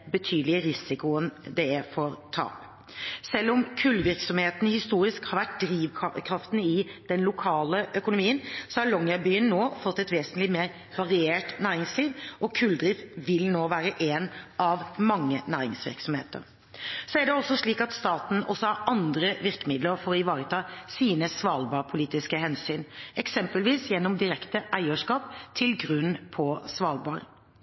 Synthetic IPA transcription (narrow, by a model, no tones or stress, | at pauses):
bət̪ʰyːd̪əlɪəɾɪsɪkʊənd̪ɛæfɔɾt̪ʰɑ̰ːp | sɛlːʊmkʰʉlːʋɪɾksɔmheːt̪n̩hɪst̪uːɾɪskhɑɾʋæʈ̚d̪ɾiːʋkʰɾɑft̪n̩ɪd̪̥ɛnlʊkʰɑːləʔœkʊnʊmiːənsɔhɑlɔŋjɑbyːənːoːfɔt̪ːɛt̪ʋeːsnlɪmeːɾ | ʋɑɾɪeːʈnæːɾɪŋsliːʋʔɔkʰʉld̪ɾiːfʋɪlnoːʋæːɾəʔeːnʔɑʋmɑŋːənæːɾɪ̰ŋsʋɪ̰ɾksɔmhḛːt̪ə̰ɾ | sɔæɖɛɔsːɔʂɭiːkɑt̪st̪ɑːt̪n̩ɔsːɔhɑɾɑnd̪ɾəʋɪɾkəmɪd̪ləɾfɔɾɔɪʋɑːɾət̪ʰɑːsiːnəsʋɑːlbɑːɾpʰʊliːt̪ɪskəhɛnsyːnɛksɛmpəlʋiːsjɛnːɔmd̪ɪɾɛkt̪əʔæɪəʂkɑːpt̪ʰɪlɡɾʉnpʰɔsʋɑːlbɑːɾ